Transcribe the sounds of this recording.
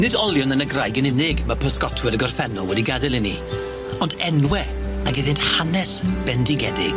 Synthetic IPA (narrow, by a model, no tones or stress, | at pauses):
nɪdɔlˠjʊnənəɡrajɡənɪnɪɡmapʰəskɔtʰwɛɾəɡɔrθɛnɔlˠwɛdiɡadɛlˠɪni | ɔndɛnwɛ | aɡɪðɨnthanɛsb̥ɛndɪɡɛdɪɡ̥